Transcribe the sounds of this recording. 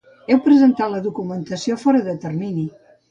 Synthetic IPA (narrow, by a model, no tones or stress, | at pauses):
ɛwpɾəzənt̪at̪ləðukumənt̪əsiofɔɾəðət̪ərmini